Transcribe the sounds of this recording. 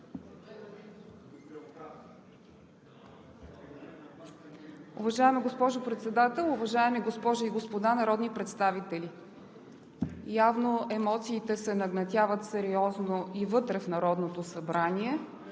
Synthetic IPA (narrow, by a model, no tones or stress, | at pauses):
ʊvɐʒaɛmiɡospɔʒopɾɛt̪sɛd̪at̪ɛlˠʊvɐʒaɛmiɡospɔʒʊiɡospod̪anɐɾɔd̪nipɾɛt̪st̪avit̪ɛlʲi | javnoʔɛmɔt̪siːt̪ɛsɛnɐɡnɐt̪ʲjavət̪sɛɾiɔznoʔivɤt̪ɾɛfnɐɾɔd̪not̪osɐbɾanʲiɛ